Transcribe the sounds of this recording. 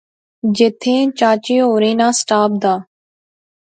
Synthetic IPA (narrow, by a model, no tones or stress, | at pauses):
d͡ʒet̪ʰẽːt͡ʃaːt͡ʃeːɦoːɾeːnãːsʈaːp̚d̪aː